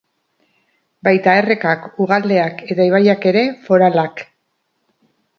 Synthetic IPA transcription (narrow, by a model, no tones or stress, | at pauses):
bajt̪ae̞re̞kakuɣald̪e̞ake̞t̪aiβajake̞ɾe̞fo̞ɾalak